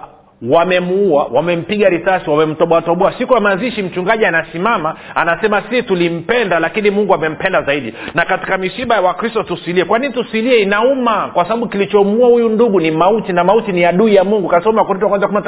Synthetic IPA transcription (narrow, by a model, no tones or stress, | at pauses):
wamɛmuuawamɛm̩piɠaɾisasiwamɛm̩tɔɓɔatɔɓɔasikujamaziʃim̩t͡ʃuŋɡaʄianasimamaanasɛmasitulim̩pɛndalakinimuŋɡuamɛm̩pɛndazaiɗinakati̥kamisiɓajawakɾistɔtusiliɛkwaninitusiliɛinaumakwasaɓaɓukilit͡ʃɔmuahujunduɠunimautinamautiniaɗuijamuŋɡukasɔmakɔɾit̬wakwanzakumnat